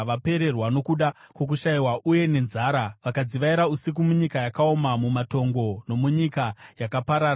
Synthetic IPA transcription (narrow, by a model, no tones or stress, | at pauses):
ʋape̞ɾe̞rwano̞kuɗa | kwo̞k̬uʃaiwaʔuje̞ne̞nzaːɾaʋakad͡ziʋaiɾausik̬umuɲikajakao̞mamumato̞ŋɡo̞no̞muɲikajakapaɾaːa